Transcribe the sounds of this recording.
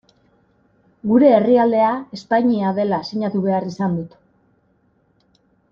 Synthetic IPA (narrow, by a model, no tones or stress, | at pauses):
ɡuɾe̞ːriald̪e̞ae̞spaɲiaðe̞lasiɲat̪uβe̞arisand̪ut̪